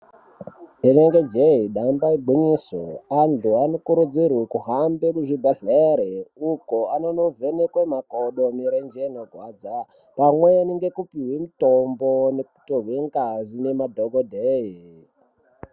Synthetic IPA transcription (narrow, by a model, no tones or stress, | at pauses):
ineŋɡed͡ʒeiɗambaiɡ͡bʱiɲisweantʰuanokuɾud͡zirwekuɦambekuʐibʱaɮeɾeukoanonovʱenekwemakoɗomiɾend͡ʒenoɡʱwaːd͡za | pamweeniŋɡekupiɦwimitomboneku̥toɦweŋɡazinemadʱoɡodʱeɦi